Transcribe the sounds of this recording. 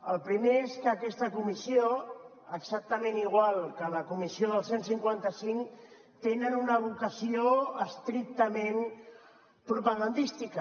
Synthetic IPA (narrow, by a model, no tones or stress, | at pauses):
əlˠpɾimeeskəːkɛst̪əkumisio | əɡzak̚t̪əmẽniɣ̞walˠkələkumisioðəlˠsensiŋkwant̪əsiŋ | t̪enənunəβukəsioəst̪ɾik̚t̪əmen | pɾupəɣand̪ist̪ikə